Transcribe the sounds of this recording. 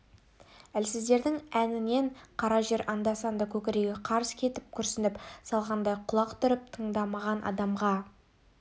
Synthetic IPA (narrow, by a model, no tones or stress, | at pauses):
ælsɪzd̪e̞ɾd̪ɪŋænɪne̞ɴqʰɑɾɑʒe̞ɾʔɑnd̪ɑsɑnd̪ɑkʲʰɵkʲɪɾe̞ɡʲeqʰɑɾəskʲʰe̞t̪ɪp̚kʲʰʏɾsɪnɪpsɑlˠʁɑnd̪ɑjqʰʊlˠɑqt̪ʰʏɾɪp̚t̪ʰəɴd̪ɑmɑʁɑnʔɑ̰d̪ɑmʁɑ